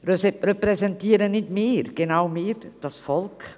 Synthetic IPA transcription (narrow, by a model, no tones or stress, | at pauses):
rɛsɛrɛpɾɛzɛntiːəɾənɪdmiːɾɡ̥enawmɪːɾd̥ɑsfɔlk